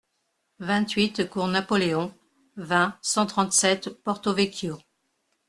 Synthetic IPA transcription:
vɛ̃t̪ɥit̪kuʁnapɔleɔ̃ | vɛ̃sɑ̃t̪χɑ̃t̪sɛt̪pɔʁt̪ovekʲjo

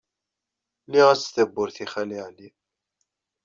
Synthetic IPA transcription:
liʁæt͡sːθəbːʊɾθiχæliʕli

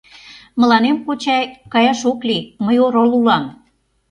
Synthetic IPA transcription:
mə̆lɑnemkot͡ɕɑjkɑjɑʃokliməjoɾolulɑm

